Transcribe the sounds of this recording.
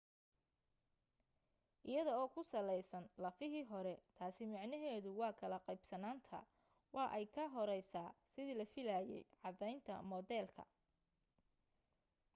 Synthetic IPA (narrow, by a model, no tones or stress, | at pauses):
ʔɪjɐðɔɔːkʰʊsɐlɛjsɐnlɐfɪɦiːɦɔɾɛt̪ʰaːsɪmɑʕnɐɦɛːðʊwɑːkʰɐlɐqɛjbsɐnaːnt̪ʰɐ̰ | wɑːʔɛjkʰɐɦɔɾɛjsaːsɪðiːlɐfɪlaːjɛ̰jʕɑd̪ɛjnt̪ʰɐ̰mɔdɛːlkʰɐ̰